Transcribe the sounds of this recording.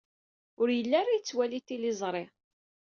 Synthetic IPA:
ʊɾjəlːarˤajt͡sːwælit̪ːilɪzˤɾˤɪ

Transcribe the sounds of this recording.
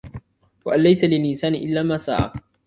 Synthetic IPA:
waʔanlajsalɪlʔɪnsaːnɪʔɪlːaːmaːsa̰ːʕa̰

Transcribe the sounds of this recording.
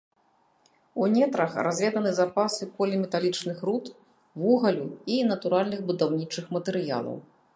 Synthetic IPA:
unʲɛt̪ɾɐxrazʲvʲɛd̪ɐnɨzapasɨkɔlʲɛmʲɛt̪alʲit͡ʂnɨxɾut̪ | vuɣɐlʲuinɐt̪uɾalʲnɨɣbud̪awnʲit͡ʂɨxmɐt̪ɛɾɨja̰lˠɐ̰w

